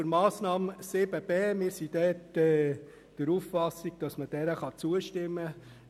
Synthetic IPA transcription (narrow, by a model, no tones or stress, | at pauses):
əɾmɑːsnɑːmsɪbəb̥eːmɪːɾsid̥ɛːtɛː | d̥əɾuːffɑsiɡ̥̚d̥ɑsməd̥ɛɾəχɑt͡suəʃtɪmːə